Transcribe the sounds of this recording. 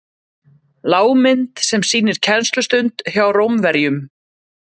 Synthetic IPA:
laːwmɪnt̪sɛmsiːnɪɾ̥cʰɛnst̪lʏst̪ʏnt̪çjaːwɾowmvɛɾjʏm

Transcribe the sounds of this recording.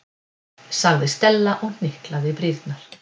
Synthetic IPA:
saɣðɪst̪ɛlːaʔɔɣn̥ɪhklaðɪpɾiɾt̪naɾ̥

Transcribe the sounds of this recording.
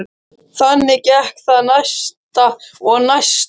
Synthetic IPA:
θanːɪcɛhkθaðnajst̪aɔɣnajst

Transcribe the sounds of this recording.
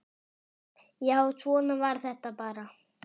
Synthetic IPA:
jaːwsɔːnavaɾ̥θɛht̪apaːɾa

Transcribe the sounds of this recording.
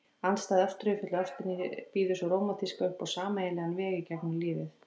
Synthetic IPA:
anst̪aːðœft̪ɾʏfɪt̪laœft̪ɪnɪpiːðʏsʏɾoːwmaθiskaʏhpawsaːmaeːjlɛɣanvɛːɣɪcɛknʏmliːvɪθ

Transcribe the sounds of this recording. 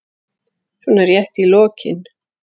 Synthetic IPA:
suːnaɾjɛht̪ilɔːcɪ̰n

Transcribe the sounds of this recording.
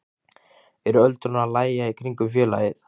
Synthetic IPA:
ɛɾʏœlt̪ɾʏnaðlaːjjaikʰɾiŋkʏmfjɛːla̰ːjɪθ

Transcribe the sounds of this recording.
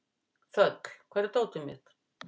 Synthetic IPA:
fœt̪l̥kʰvɛɾt̪oːwt̪ʏmɪ̰t̪

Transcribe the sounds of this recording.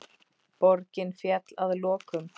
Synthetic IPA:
pɔɾcɪnfjɛt̪laðlɔːkʏm

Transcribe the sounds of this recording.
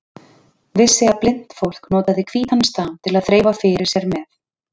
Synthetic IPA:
vɪsːɪaplɪn̥t̪fowl̥knɔːt̪aðɪkʰviːt̪anst̪aːmt̪ʰɪlaðθɾeːjvafɪːɾɪɾ̥sjɛɾmɛθ

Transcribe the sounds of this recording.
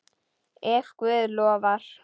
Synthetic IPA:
ɛxkvʏːðlɔːvaɾ̥

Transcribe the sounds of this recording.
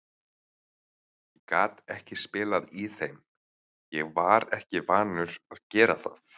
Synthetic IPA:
jɛkaːt̪ɛhcɪspɪːlaðiθejm | jɛɣvaɾɛhcɪvaːnʏɾaðcɛːɾaθaθ

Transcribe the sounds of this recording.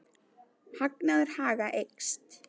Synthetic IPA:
haknaðɪɾ̥haːɣaʔejkst̪

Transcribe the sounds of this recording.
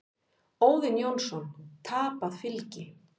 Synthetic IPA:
oːwðɪnjownsɔnt̪ʰaːpaðfɪlcɪ

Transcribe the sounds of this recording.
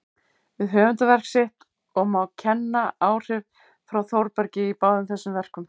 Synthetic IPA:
vɪðɦœːvʏnt̪ʏvɛr̥ksɪht̪ | ɔɣmawcʰɛnːaaːwr̥ɪv̥ | fɾawθowɾpɛɾcɪipaːwðʏmθɛsːʏmvɛr̥kʏm

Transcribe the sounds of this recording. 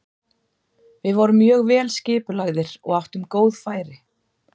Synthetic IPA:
vɪðvɔɾʏmːjœːɣvɛːlscɪːpʏlaɣðɪɾ̥ɔ̰ɣawht̪ʏmkoːwðfaːjɾɪ

